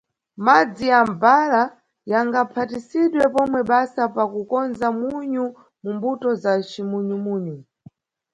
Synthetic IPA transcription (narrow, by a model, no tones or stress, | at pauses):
mad͡zijambala | jaŋɡapʰatisiɗwɛpɔmwɛɓasapakukɔnzamuɲu | mumbutɔzat͡ʃimuɲumuːɲu